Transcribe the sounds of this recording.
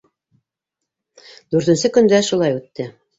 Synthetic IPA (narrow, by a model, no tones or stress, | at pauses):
d̪ʉɾt̪ɘ̆nsɘkɵ̆nd̪æʃulˠɑjʉt̪ːɘ